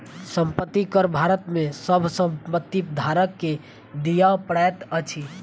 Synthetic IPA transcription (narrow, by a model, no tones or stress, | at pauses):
səmpət̪ːikəɾbʱaɾət̪mesəbʱsəmpət̪ːipd̪ʱaɾəkːe | d̪ijapɾajt̪ət͡ʃʰi